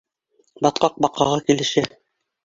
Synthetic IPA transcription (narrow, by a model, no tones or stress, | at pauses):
bɑt̪̚qɑq̚bɑqɑʁɑkilɘ̆ʃɘ